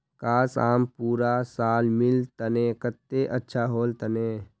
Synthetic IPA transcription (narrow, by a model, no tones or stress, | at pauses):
kaːsaːmpuːɾasaːlmɪlt̪əneːkət̪ːeʔətːʃʰaɦoːlt̪əneː